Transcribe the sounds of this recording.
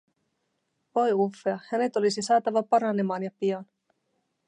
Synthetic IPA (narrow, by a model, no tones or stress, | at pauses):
ʋo̞jufːe̞ɑhæne̞t̪o̞lisisɑːt̪ɑʋɑpɑɾɑne̞mɑːnjɑpiɑn